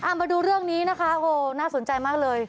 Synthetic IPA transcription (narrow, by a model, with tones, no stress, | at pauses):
ʔaː˨˩ma˧jduː˧ɾɯ˥˩əŋniː˦˥na˦˥kʰa˦˥ʔoː˧˩naː˥˩so˩˦nt͡ɕa˧jmaː˥˩k̚lɤː˧j